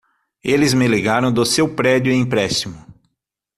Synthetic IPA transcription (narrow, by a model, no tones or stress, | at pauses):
elɪzmeleɡaɾɐ̃w̃d̪ʊsewpɾɛd͡ʒʊẽpɾɛst͡ʃimʊ